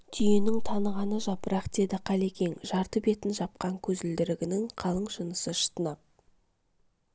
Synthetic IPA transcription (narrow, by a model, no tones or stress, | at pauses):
t̪ʰʏjenɪŋt̪ʰɑnəʁɑnəʒɑpəɾɑqd̪̥e̞d̪ɪqʰɑlˠe̞kʲe̞ŋʒɑɾt̪əbe̞t̪ɪnʒɑp̚qɑŋkʲʰɵzɪld̪ɪɾɪɡʲɪnɪŋqʰɑlˠəɴʒənəsəʃə̥t̪ənɑp̚